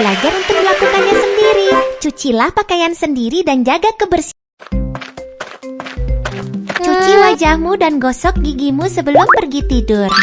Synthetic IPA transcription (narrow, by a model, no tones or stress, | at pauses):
lad͡ʒaɾunt̪ʊk̚dəlakukanɲasəndiɾit͡ʃut͡ʃilahpakajansəndiɾidand͡ʒaɡakəbərs | t͡ʃut͡ʃiwad͡ʒahmudanɡɔsɔk̚ɡiɡimusəbəlʊmpərɡit̪idʊr